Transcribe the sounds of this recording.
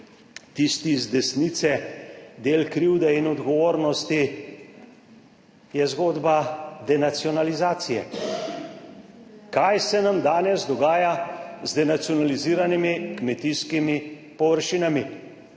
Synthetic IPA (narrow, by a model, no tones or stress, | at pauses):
t̪ist̪izd̪ɛsniːt̪sɛd̪eːlkɾiwd̪ɛinɔd̪ɡɔʋoːɾnɔst̪i | jɛzɡoːd̪bad̪ɛnat̪sijɔnalizaːt̪sijɛ̰ | kajsɛnamd̪aːnɛzd̪ɔɡaːjazd̪ɛnat̪siɔnaliziːɾanimikmɛt̪iskimi | pɔʋəɾʃiːnami